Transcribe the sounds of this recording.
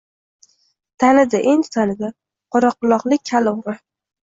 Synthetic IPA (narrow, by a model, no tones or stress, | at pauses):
t̪ʰanɪd̪aʔend̪ɪt̪ʰanɪd̪a | qʰoɾɒqːʊlˠɒqlˠɪk̚ʲʰːalʊwɾɪ